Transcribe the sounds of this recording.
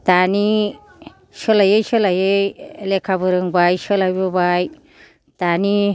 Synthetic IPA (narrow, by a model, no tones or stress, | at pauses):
tani | sɔlajejsɔlajejlekʰabɯɾɯŋbajsɔlajbɯbaj | tani